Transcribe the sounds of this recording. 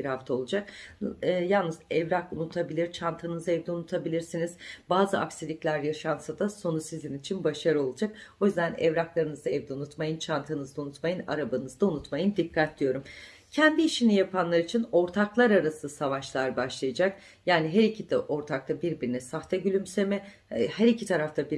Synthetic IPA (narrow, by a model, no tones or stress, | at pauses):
b̥iɾhaft̪ʰao̞lˠud͡ʒak̚ː | jalˠnɯzɛvɾakunut̪ʰabilʲiɾt͡ʃʰant̪ʰɯnɯzaɛvd̪ɛunut̪ʰabilʲiɾsiniz̥baːzɯa̰ksilʲicʲlʲæɾjaʃansad̪aso̞nusizinit͡ʃʰinbaʃaɾɯo̞lˠud͡ʒak̚o̞jyzd̪ænɛ̰vɾaklˠaɾɯnɯzd̪aɛvd̪ɛunut̪majɯnt͡ʃʰant̪ʰɯnɯzd̪aunut̪majɯna̰ɾabanɯzd̪aunut̪majɯnd̪ikʰːat̪̚d̪ʲijo̞ɾum | cʰɛnd̪iːʃinijapʰanlˠaɾit͡ʃʰino̞ɾt̪ʰaklˠaɾaɾasɯsavaʃlˠaɾbaʃlˠajad͡ʒak̚ | jaːniɦæɾicʰit̪ʔo̞ɾt̪ʰak̚t̪ʰabiɾbiɾinɛsaxt̪ʰɛɟylʲymsemɛ | hæɾicʰit̪ʰaɾaft̪ʰabiɾ